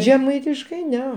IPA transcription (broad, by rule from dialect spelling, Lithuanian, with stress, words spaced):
ʒʲɛˈmɐɪtʲɪʃkɐɪ ˈnʲɛ